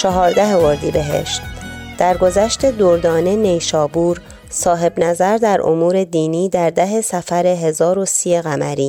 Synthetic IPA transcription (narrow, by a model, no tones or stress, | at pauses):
t͡ʃʰɒɦɒːɾd̪æɦevoɾd̪ibe̞ɦe̞̰ʃt̪d̪̥æɾɡo̞zæʃt̪e̞d̪oɾd̪ɒːne̞ne̞jʃɒːbuːɾ | sɒːɦe̞bnæzæɾd̪æɾʔo̰muːɾe̞d̪iːniːd̪æɾd̪æɦe̞sæfæɾe̞ɦe̞zɒːɾosiːeɣæmæɾiː